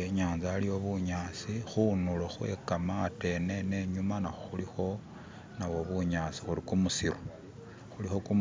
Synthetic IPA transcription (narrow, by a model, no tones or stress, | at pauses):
eɲaːnzaːlio̞βuɲaːt͡sixunuloxwe̞̰kamate̞nene̞ɲumanaxoxulixo̞ | naβo̞βuɲaːt͡si̥xuɾikumusiɾo | xulixo̞kum